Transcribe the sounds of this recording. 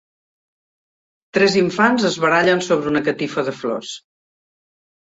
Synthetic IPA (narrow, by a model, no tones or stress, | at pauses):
t̪ɾɛziɱfanzəzβəɾaʎənsoβɾəunəkət̪ifəðəflɔ̰s